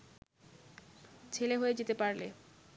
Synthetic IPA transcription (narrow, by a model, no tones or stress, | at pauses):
t͡ɕʰeleɦoed͡ʑet̪epaɾle